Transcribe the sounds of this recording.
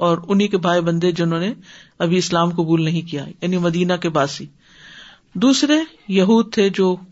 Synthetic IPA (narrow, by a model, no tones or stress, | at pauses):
ɔːɾʊnɦikebʱaːibɐ̃nd̪ed͡ʒɪnõːneɐbʱiɪslaːmkɐbuːlnɐɦĩkija̰jaːnimɐd̪iːnakebaːsiː | d̪uːsɾe | jɐɦuːd̪̚t̪ʰed͡ʒoː